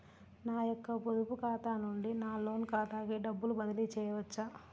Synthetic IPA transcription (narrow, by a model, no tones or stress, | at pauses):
naːjɔkːɐpod̪upukaːt̪aːnuɳɖinaːlo̞ːnkaːt̪aːkiːɖɐbːulubɐd̪ɐlit͡ʃɛːjɐʋɐt͡ʃːa